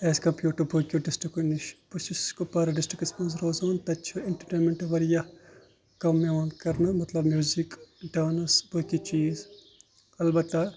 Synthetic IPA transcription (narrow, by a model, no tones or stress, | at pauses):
eːskɐmpjuːʈɐɾbʱukʲjuɖɪsʈɾikuniʃpusiskupɐɾɐɖɪsʈɾikispɐnzɾoːzoːnt̪ɐtːt͡ʃʰueɳʈɐɾʈeːnmeɳʈʋɐɾjɐ | kɐmːeʋɐnkɐɾnɐmɐt̪lɐbmjuːzikɖaːnɐsbʱukit͡ʃiːz | ɐlbɐt̪ːɐ